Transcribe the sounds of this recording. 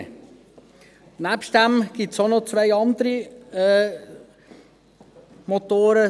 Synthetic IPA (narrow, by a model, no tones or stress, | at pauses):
næpʃtd̥æmɡ̥itsonot͡svaɪɑnd̪əɾiɛː | mot̪oːɾə